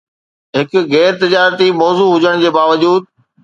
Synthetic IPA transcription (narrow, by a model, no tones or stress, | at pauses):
ɦɪkʊɣɛːɾt̪ɪd͡ʑaːɾt̪imɔːzuːɦʊd͡ʑəɽ̃d͡ʑeːbaːʋəd͡ʑuːd̪̚